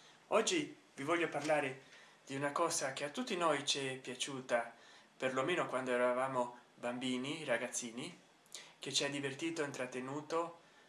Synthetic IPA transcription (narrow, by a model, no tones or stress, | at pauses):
ɔd͡ʒːi | vivɔlʎːoparlaːɾe | d̪̥iunakɔːzakeat̪ːut̪ːinojt͡ʃɛpːjat͡ʃuːt̪aperlomeːnokwand̪oɛɾavaːmobambiːniraɡat̪sːiːni | ket͡ʃiad̪ivert̪iːt̪oint̪ɾat̪ːenuːt̪o